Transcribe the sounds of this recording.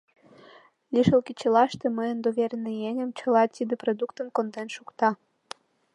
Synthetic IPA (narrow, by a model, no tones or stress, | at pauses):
liʃəlkit͡ɕəlɑʃt̪eməjənd̪oβerʲnejenʲə̆mt͡ɕə̆lɑt̪id̪ĕprod̪ukt̪ə̆nkond̪enʃukt̪ɑ